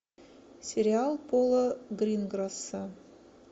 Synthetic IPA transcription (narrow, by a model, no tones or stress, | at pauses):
sʲeɾʲialˠpolˠəɡrʲinɡrasə